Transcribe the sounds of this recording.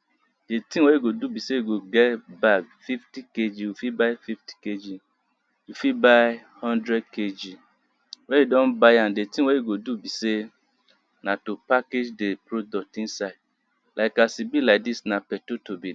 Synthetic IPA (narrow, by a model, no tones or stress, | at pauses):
detĩŋwejiɡodubisejɡoɡɛtbaɡfiftiked͡ʒiwofibajfifti̥ked͡ʒi | jufibaj | hɔ̃ndɾɛd̚ked͡ʒi | wɛjudɔ̃nbajãndetĩwejiɡodubise | nãtopaked͡ʒdepɾodɔk̚tĩnsaɪd̚ | lʔaɪkasibilaɪk̚disnapɛtotobi